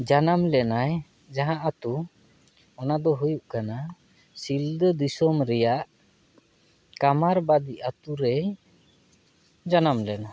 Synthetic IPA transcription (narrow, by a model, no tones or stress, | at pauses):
d͡ʒanamlɛnaj | d͡ʒaɦãʔat̪u | ɔnad̪ɔɦujuʔkana | sild̪əd̪isɔmɾɛjaʔ | kamaɾbad̪iat̪uɾɛ | d͡ʒanamlɛna